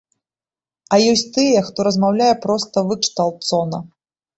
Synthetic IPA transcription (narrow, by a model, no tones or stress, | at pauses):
ɐjɔsʲt͡sʲt̪ɨjɛxt̪ɔɾɐzmawlʲajɛpɾɔst̪ɐvɨkʂt̪alˠt̪sɔnɐ